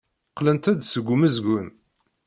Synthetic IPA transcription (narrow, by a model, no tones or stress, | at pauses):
qlənt̪æd̪səɡʷuməzɡʊn